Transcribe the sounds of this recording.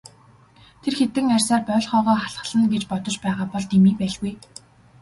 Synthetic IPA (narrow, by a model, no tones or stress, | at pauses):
t̪ʰerxet̪ɘ̆ŋærʲsaːrpœːɮχœːʁɔːχaɮʁə̆ɮ̥ə̆nɡet͡ɕpɔt̪ɞ̆t͡ɕpæːʁaːpɔɮt̪ʰemiːpæːɮɣuj